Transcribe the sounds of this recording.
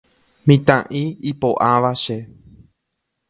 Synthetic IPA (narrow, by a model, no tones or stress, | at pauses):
mĩt̪ãʔĩipoʔãʋaʃe